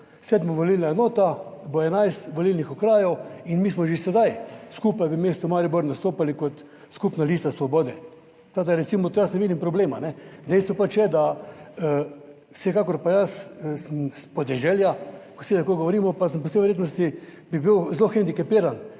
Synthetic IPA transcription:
sɛd̪moʋolilnaɛnoːt̪abɔɛnajst̪ʋolilnixɔkɾaːjɔwinmiːsmɔʒesɛd̪ajskuːpajbimeːst̪ɔmaɾibɔɾnast̪oːpalikɔt̪ | skupnaliːst̪asʋɔboːd̪ɛ | t̪aːd̪aɾɛsimɔjasnɛʋiːd̪impɾɔbleːmanɛd̪ɛjst̪ʋɔpat͡ʃjɛd̪aə | sɛkakɔɾpajassəmspɔd̪ɛʒɛljakosilakojɡoʋɔɾiːmɔpasəmp̬ɔsejʋɛɾjeːt̪nɔst̪i | bibiwzloxɛnd̪ikapiːɾan

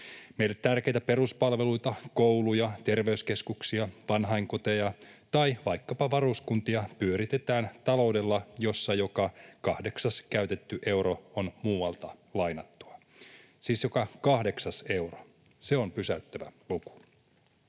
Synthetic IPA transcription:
me̞ilːet̪t̪ærk̟e̞jt̪æpe̞ɾuspɑlʋe̞lujt̪ɑkowlujɑt̪e̞rʋe̞yske̞skuksiɑʋɑnɦɑiŋkot̪ejɑt̪ɑjʋɑjkːɑpɑʋɑɾuskunt̪iɑpyøɾit̪e̞t̪æːnt̪ɑlo̞wde̞lːɑjo̞sːɑjo̞kɑkɑhde̞ksɑskæyt̪e̞t̪ːyʔe̞wɾo̞onmuːɑlt̪ɑlɑjnɑt̪ːuɑ | siːsjo̞kɑkɑhde̞ksɑse̞wro̥ | se̞o̞mpysæyt̪ːæʋæ̰luku̥

